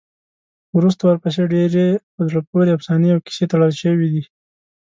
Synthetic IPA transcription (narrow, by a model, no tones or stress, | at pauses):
wɾus̬t̪awəɾpəs̬eɖeɾe | əzɽap̚oɾeafsɑniawki̥set̪aɽəlʃəwid̪i